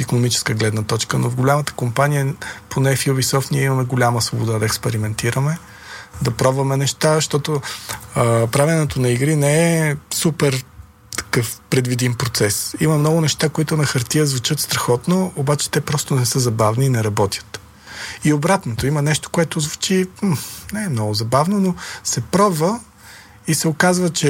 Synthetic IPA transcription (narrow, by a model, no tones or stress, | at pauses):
ikonomit͡ʃɛ̥skəɡlɛd̪nət̪ɔt͡ʃkəno̰vɡolʲamət̪ə̥kompanijəpʰonɛfjubisɔft̪niɛimɐmɛɡolʲaməsvobod̪ad̪ɐɛkspɛɾimɛnt̪iɾəmɛ | d̪ɐpɾɔbvɐmɛnɛʃt̪aʃt̪ɔt̪oəpɾavɛnɛt̪onɐiɡɾinɛɛsupɛɾ | t̪ɐ̥kɤfpɾɛd̪vid̪inpɾot̪sɛsimɐmnɔɡʊnɛʃt̪akoit̪ʊnɐxɐɾt̪iəzvut͡ʃɤt̪st̪ɾɐxɔt̪noːbat͡ʃɛ̥t̪ɛpɾɔst̪onɛsɤzɐbavniːnɛɾɐbɔt̪ʲjə̥t̪ | iobɾat̪not̪oimɐnɛʃt̪o̥koɛt̪ozvut͡ʃim̩nɛɛmnɔɡʊzɐbavnonosɛpɾɔbvə | isɛokazvət͡ʃɛ